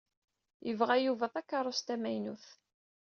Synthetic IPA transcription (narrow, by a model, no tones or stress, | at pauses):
jəvʁæjuvæðˤækːɑɾˤʊst̪æmæjnuθ